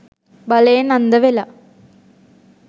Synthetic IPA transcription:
bɐlɐjɐnɐnd̪ɐʋelɐ

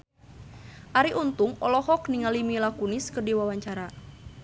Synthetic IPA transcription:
ʔaɾiʔunt̪uŋɔlɔhɔkniŋalimilakuniskɨrdiwawaɲt͡ʃaɾa

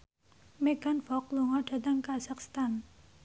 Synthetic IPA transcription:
meɡanfɔk̚luŋɔɖ̥at̪aŋkasakst̪an

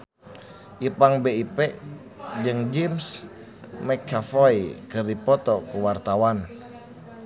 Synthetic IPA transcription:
ʔipaŋbeipɛ | d͡ʒɨŋd͡ʒɛms | mɛkʰːafɔikɨrdipɔt̪ɔkuwart̪awan

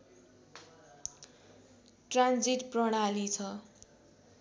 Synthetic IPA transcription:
ʈrand͡ziʈprʌɽ̃alit͡sʰʌ

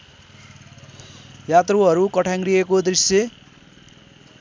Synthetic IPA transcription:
jat̪ruɦʌɾukʌʈʰãŋɡriekod̪risje

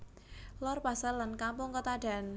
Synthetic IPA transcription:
lɔrpasalankampʊŋkət̪aɖ̥a̤n

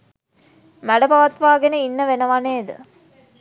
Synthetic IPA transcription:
mæɽɐbɐʋɐt̪ʋaːɡeneinːəʋenɐʋɐneːd̪ɨ̰

